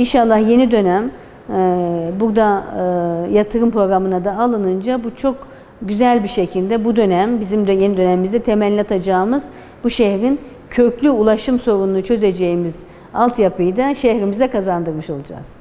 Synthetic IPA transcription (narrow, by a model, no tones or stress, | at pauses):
inʃalˠːahje̞nid̪ø̞næm | buɾd̪a | jat̪ʰɯɾɯmpɾo̞ɡɾamɯnad̪aːlˠɯnɯnd͡ʒabut͡ʃʰo̞k | ɟyzælʲbiʃecʰilʲd̪ɛbud̪ø̞næmbizimd̪je̞nid̪ø̞nɛmimizd̪ɛt̪ʰe̞mælʲːɛat̪ʰad͡ʒaːmɯz | buʃehɾin | cʰø̞clʲyulˠaʃɯmso̞ɾunːˠut͡ʃʰø̞ze̞d͡ʒe̞jimiz | alˠt̪japʰɯjd̪aʃehɾimizd̪ɛkʰazand̪ɯɾmɯʃo̞lˠud͡ʒa̰z̥